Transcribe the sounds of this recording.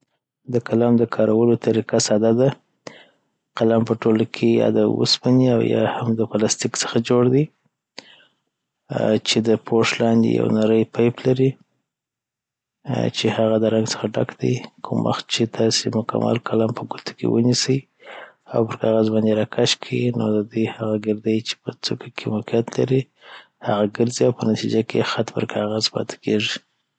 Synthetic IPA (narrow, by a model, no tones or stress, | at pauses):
d̪əkalɑmd̪əkʰɑɾawəlot̪ʰaɾikasɑd̪ad̪a | qalampəʈolakʰejɑ̰d̪awə̰spaniawjɑ̰hamd̪əpalɑst̪iksə̥xad͡ʒoɽd̪i | t͡ʃed̪əpʰoʂlɑnd̪ḛja̰wnaɾəjpajplaɾi | t͡ʃehaɣad̪əɾaŋɡsə̥xaɖa̰kd̪ḭkʰumwʔa̰xt͡ʃet̪ʰɑsemʊkʰa̰ma̰lkʰalampəɡut̪ḁkḛwənisəj | a̰wpəɾkɑɣazbɑnd̪eɾɑkʰaʃkʰinod̪əd̪ujhaɣaɡɪɾd̪ajt͡ʃe̥pət͡sukʰakʰemakijat̪la̰ɾi | haɣaɡəɾziawpənat̪id͡ʒakʰḛxat̪pəɾkʰɑɣazpɑ̰t̪ʰḁkʰeʐi